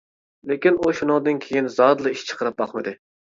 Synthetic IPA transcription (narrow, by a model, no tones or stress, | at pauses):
lekʲinuʃunɨŋd̪ɨnkʲʰejinzɑd̪lˠɨiʃt͡ʃʰə̥qʰəɾɨp̚bɑχmɨd̪ɨ